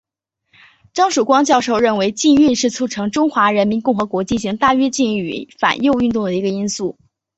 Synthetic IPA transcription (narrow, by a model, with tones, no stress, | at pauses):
ʈ͡ʂɑ˥ŋʂu˨˩kwɑ˥ŋt͡ɕjɑ˥˧ʊʂo˥˧ʊɻə˥˩nwe˧˥ɪt͡ɕi˥˧ny˥˧nʂɻ̩˥˩t͡sʰu˥˩ʈ͡ʂʰɤ˧˥ŋʈ͡ʂʊ˥ŋxwa˧˥ɻə˧˥nmi˧˥nkʊ˥˩ŋxɤ˧˥kwɔ˧˥t͡ɕi˥˩nɕi˧˥ŋt̪a˥˩ɥɛ˥t͡ɕi˥˧ny̰˧˩fa̰˨˩njo˥˧ʊy˥˧nt̪ʊ˥˩ŋd̪ə˩i˧˥ɡə˧i˥nsu˥˩